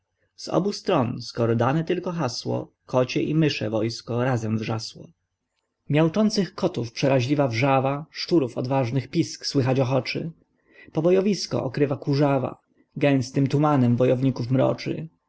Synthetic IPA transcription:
z̥ɔ̰bust̪ɾɔnskɔɾɔd̪anɛt̪ɘlkɔxaswɔ̰ | kʰɔt͡ɕɛʔimɘʂɛ̰vɔjskɔɾazɛmvʐaswɔ̰ | mʲjawt͡ʂɔnt̪sɘxkɔt̪ufpʂɛɾaʑlʲivavʐavaʂt͡ʂuɾufɔd̪vaʐnɘxpʲiskswɘxat͡ɕɔxɔt͡ʂɘ̰ | pɔbɔjɔvʲiskɔ̰ʔɔkɾɘvakuʐava̰ | ɡɛ̃w̃st̪ɘmt̪umanɛmvɔjɔvɲikufmɾɔ̰t͡ʂɘ̰

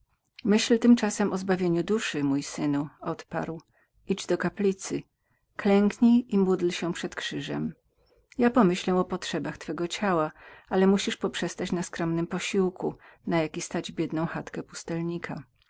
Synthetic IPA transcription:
mɘɕlt̪ɘmt͡ʂasɛmɔzbavʲjeɲud̪uʂɘmujsɘnuɔt̪pa̰ɾw | iʐd̪ɔkaplʲit̪sɘ | klɛŋkɲiimud̪lɕɛpʂɛt̪kʂɘʐɛm | japɔmɘɕlɛ̃ɔpɔtʂɛbaxt̪fɛɡɔt͡ɕawaalɛmuɕiʂpɔpʂɛst̪at͡ɕnaskɾɔmnɘmpɔɕiwkʰunajakʲist̪ad͡ʑbʲjɛd̪nɔ̃w̃xat̪kɛpu̥st̪ɛlɲikʰa

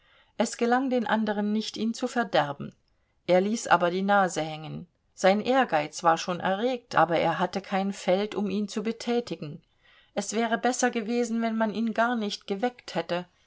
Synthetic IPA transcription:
ʔɛsɡ̥əlaŋdeːnʔandəʁ̞ənːɪçtʔiːnt͡sufɛɐdɛɐbm̩ | ʔeːɐliːsʔa̰ːbɐdiːnaːzəhɛŋən | z̥aɪnʔeːɐɡaɪt͡sv̥aːɐʃoːnʔɛ̰ɐʁeːk̚tʔaːbɐʔḛːɐɦatəkʰaɪnfɛltʊmiːnt͡subətʰɛːtɪɡŋ̩ | ʔɛsv̥ɛːʁ̞əbɛsɐɡəveːzn̩vɛnmaniːnɡaɐnɪçtɡ̥əvɛkthɛtə

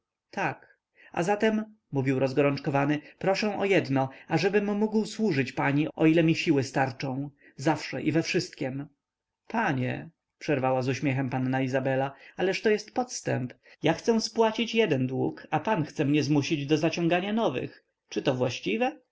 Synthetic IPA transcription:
t̪ʰak | a̰zat̪ɛmː | uvʲiwɾɔzɡɔɾɔnt͡ʂkɔvanɘpɾɔʂɛ̃w̃ʔɔjɛd̪nɔaʐɛbɘmːuɡwswuʐɘt͡ɕpaɲiʔɔ̰ilɛmʲiɕiwɘst̪aɾt͡ʂɔ̃w̃ | zafʂɛ̰ʔivɛfʂɘst̪̚kʲɛm | paɲɛ̰ | pʂɛɾvawazuɕmʲjɛxɛmpanːaizabɛlaalɛʂt̪ɔjɛst̪pɔt̪st̪ɛmp | jaxt̪sɛ̃spwat͡ɕit͡ɕjɛd̪ɛnd̪wukapanxt̪sɛmɲɛzmuɕid͡ʑd̪ɔzat͡ɕɔ̃ŋɡaɲanɔvɘ̰x | t͡ʂɘt̪ɔvwaɕt͡ɕivɛ

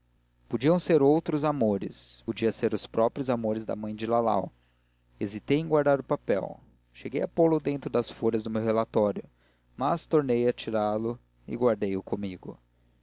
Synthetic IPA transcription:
pod͡ʒiɐ̃w̃seɾowt̪ɾʊzamoɾɪ̰spod͡ʒiɐseɾʊspɾɔpɾjʊzamoɾɪzd̪ɐ̰mɐ̃j̃d͡ʒɪlala̰w | ezit̪ejẽŋɡwaɾd̪aɾʊpapɛ̰w | ʃeɡejapolʊd̪ẽnt̪ɾʊd̪ɐsfoʎɐzd̪ʊmewɦelat̪ɔɾjʊ | mast̪oɾnejɐt͡ʃiɾalʊ | ɪ̰ɡwaɾd̪ejʊkʰõmiɡʊ

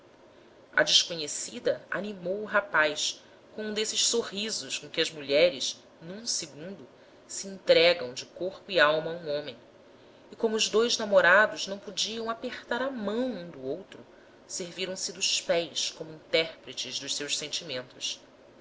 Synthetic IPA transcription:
ɐ̰d͡ʒɪʃkoɲesid̪ɐa̰nimowuɦapajs | kõũd̪esɪʃsoɦizʊʃkõkʲɪɐzmuʎɛɾɪʃ | nũsɪɡũnd̪ʊ | siĩnt̪ɾɛɡɐ̃w̃d͡ʒɪkoχpʊiawmɐũõmẽj̃ | ikõmʊːzd̪ojznamoɾad̪ʊznɐ̃w̃pod͡ʒiɐ̃w̃apeχt̪aɾɐmɐ̃w̃ũd̪ʊowt̪ɾʊ | seɾviɾɐ̃w̃sɪd̪ʊspɛjskõmʊĩnt̪ɛɾpɾɪt͡ʃɪzd̪ʊʃsewʃsẽnt͡ʃimẽnt̪ʊs

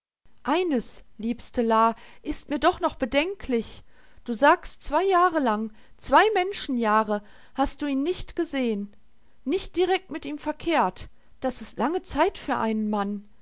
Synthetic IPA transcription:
ʔaɪnəsliːpstəlaːʔɪstmiːɐdɔχnɔχb̥ədɛŋkʰlɪç | d̥uːzaːkstt͡sv̥aɪjaːʁəlaŋ | t͡sv̥aɪmɛnʃn̩jaːʁə | hast̚d̥uːiːnːɪçtɡ̥əzeːənː | ɪçt̚d̥iʁ̞ɛk̚tmɪtʔiːmfɛɐkʰeːɐt | d̥asɪstlaŋət͡saɪtfyːɐʔa̰ɪnənman

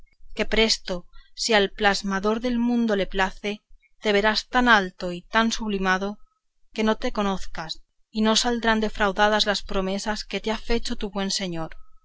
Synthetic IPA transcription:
ke̞pɾe̞st̪o̞sialplazmaðo̞ɾðe̞lmũnd̪o̞le̞plaθe̞ | t̪e̞β̞e̞ɾast̪analt̪o̞it̪ansuβlimað̞o̞ | ke̞no̞t̪e̞ko̞no̞θkas | ino̞sald̪ɾand̪e̞fɾawðaðazlaspɾo̞me̞saske̞t̪eafe̞t͡ʃo̞t̪uβwe̞nse̞ɲo̞ɾ

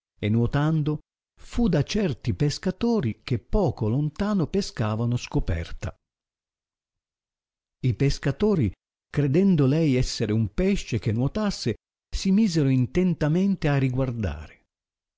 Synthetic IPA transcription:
enːwot̪and̪o | fud̪at͡ʃɛrt̪ipeskat̪oːɾik̟epːɔːkolont̪aːnopeskaːvanoskopɛ̰rt̪a̰ | ipeskat̪oːɾi | kɾed̪ɛnd̪olɛjɛsːeɾeumpɛʃːek̟enːwot̪asːe | simiːzeɾoint̪ent̪ament̪eariɡward̪a̰ːɾe

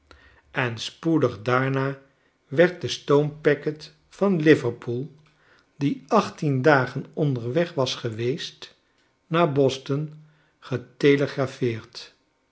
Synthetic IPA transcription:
ɛnspudəχdaːɹnaː | ʋɛɹt̚dəstowmpɛkət | fɑnlɪvəɹpʰulˠ | diʔɑχtindaːχənɔndəɹʋɛχʋɑsχəʋejst | naːbɔstən | χəteləχrafɪːɹt

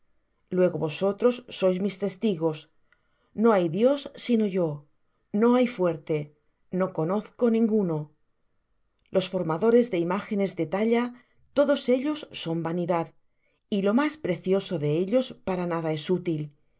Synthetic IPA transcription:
lwe̞ɣo̞βoso̞t̪ɾo̞sːo̞jzmist̪e̞st̪iɣo̞s | no̞ajðjo̞sːino̞ʝo̞ | no̞ajfwe̞ɾt̪e̞ | no̞ko̞no̞θko̞nĩŋɡuno̞ | lʔo̞sfo̞ɾmaðo̞ɾe̞zðe̞imaxe̞ne̞zðe̞t̪aʎa | t̪o̞ðo̞se̞ʎo̞sːo̞mbaniðað | ilo̞maspɾe̞θjo̞so̞ðe̞eʎo̞spaɾanaðae̞sut̪il

